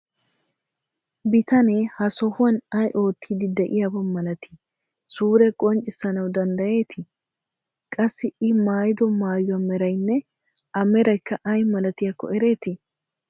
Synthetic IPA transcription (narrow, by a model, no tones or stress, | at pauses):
bɪt̪ɐnehɐsɔhʊwɐnɐjʔo̞ːt̪ːiːd̪ɪd̪ɛʔɪjɐbɐnmɐlɐt̪ʰɪ̥ | suːɾɛkʼɔnt͡ʃʼɪsɐnɐwd̪ɐnd̪ɐje̞ːt̪ʰɪ | kʼɐsːɪɪmaːjɪd̪ɔmaːjʊɐmɛɾɐjnːɛ | ɐmɛɾɐjkːɐʔɐjmɐlɐt̪ɪjakːɔ̰ɛɾe̞ːt̪ɪ